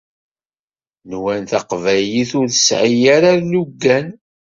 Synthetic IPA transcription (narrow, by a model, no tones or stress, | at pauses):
nwænθɑqvæjiθʊɾθəsʕijaɾaɾluɡːæn